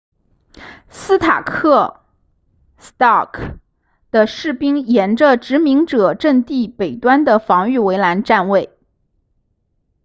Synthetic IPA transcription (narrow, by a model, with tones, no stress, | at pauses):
sɹ̩˥t̪ʰa̰˨˩kʰɤ˥˩ | st̪ɑ˥˩kʰ | d̪̥ə˨ʂɻ̩˥˩pi˥ŋjɛ˧˥nʈ͡ʂə˧ʈ͡ʂɻ̩˧˥mi˧˥ŋʈ͡ʂɤ˨˩ʈ͡ʂə˥˧ŋt̪i˥˩pe˨˩ɪt̪wa˥nd̪ə˨fɑ˧˥ŋy˥˩we˧˥ɪla˧˥nʈ͡ʂa˥˧nwe˥˩ɪ